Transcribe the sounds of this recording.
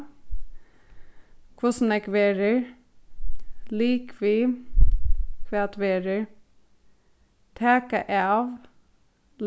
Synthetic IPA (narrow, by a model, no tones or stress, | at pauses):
kʰʋʊsn̩ɛkʋeːɾəɹ | liːkʰʋiː | kʰʋeːt̪ʰʋeːɾəɹ | t̪ʰæːkəʔeɑːʋ | l